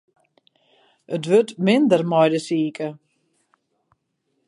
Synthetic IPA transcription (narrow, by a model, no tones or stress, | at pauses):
ʔətʋøtmɪndərmɔjdəsiːkʰə